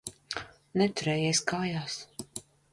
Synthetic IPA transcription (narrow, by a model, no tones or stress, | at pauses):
nɛt̪uɾɛːjeːsʲkaːjaːs